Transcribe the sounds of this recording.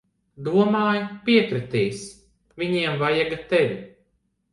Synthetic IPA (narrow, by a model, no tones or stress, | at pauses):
d̪uɔmaːjpiɛkɾɨt̪iːs | viɲiɛmvajaɡat̪ɛvʲi